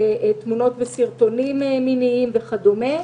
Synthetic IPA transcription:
eet̪muno̞t̪vesiʁt̪o̞nimminiimveχad̪ome

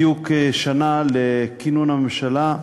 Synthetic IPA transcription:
jukeʃanalekinunamemʃala

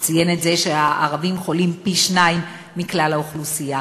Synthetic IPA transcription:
t͡sajenet̪ze̞ʃeaʔa̰ʁavimχolimpiʃnaimː | iklalaoχlusija

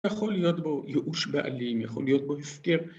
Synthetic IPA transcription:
jaχo̞lijo̞t̪bo̞jeʔuʃbeʔa̰limjaχo̞̰lijo̞t̪̚bohefkeʁ

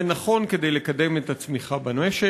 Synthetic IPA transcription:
naχo̞nked̪e̞jle̞kad̪e̞met̪at͡smiχabaneʃe

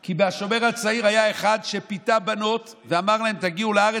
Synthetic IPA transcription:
kibeaʃo̞meʁhat͡saiʁajae̞χad̪ʃepitabano̞t | veamaʁlaemt̪aɡiuleaʁe

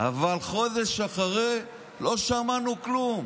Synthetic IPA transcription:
a̰valχo̞d̪eʃaχaʁe | lo̞ʃamanuklum

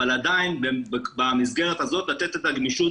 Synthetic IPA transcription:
alad̪ainbebamizɡe̞ʁet̪azo̞t̪lat̪et̪et̪aɡniʃu

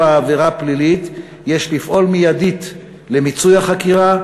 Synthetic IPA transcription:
aːveʁaplilit̪ | jeʃlifʔo̞lmijad̪it̪ | le̞mit͡sujaχakiʁa

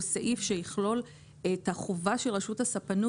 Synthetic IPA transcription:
saʔifʃejiχlo̞l | ethaχovaʃelʁaʃuthasapanu

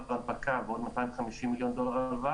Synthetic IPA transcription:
abakaveod̪mat̪ajĩveχamiʃimːiljo̞nd̪o̞laʁava

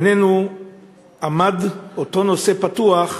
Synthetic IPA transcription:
nenu | amadoto̞no̞se̞patuaχ

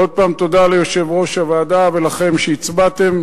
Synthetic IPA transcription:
o̞d̪̚paːmt̪o̞d̪alejo̞ʃe̞vʁo̞ʃavaːd̪avelaχe̞mʃeit͡sbat̪e̞m

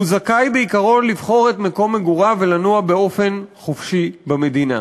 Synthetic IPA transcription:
uzakajbeikaʁo̞nlivχo̞ʁet̪meko̞mːeɡuʁave̞lanuabeo̞fe̞nχofʃibame̞d̪ina̰

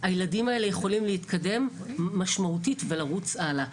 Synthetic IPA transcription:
ajeladimaeleje̞χo̞limlehit̪kʰade̞mː | aʃmautitve̞laʁut͡sala

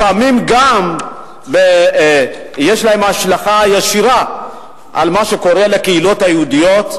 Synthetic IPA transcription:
paamimɡam | be | jeʃlaemaʃlaχajaʃiʁa | ʔa̰lmaʃeko̞ʁelakeilo̞t̪hajeudijo̞t̪

